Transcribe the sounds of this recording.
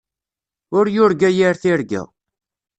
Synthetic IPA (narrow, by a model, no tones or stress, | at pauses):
ʊɾjʊɾɡæjiɾθiɾɡæ̰